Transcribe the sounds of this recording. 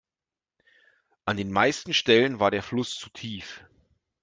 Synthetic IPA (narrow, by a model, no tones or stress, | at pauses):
ʔandeːnmaɪstn̩ʃtɛlənvaːɐdeːɐflʊst͡sutʰiːf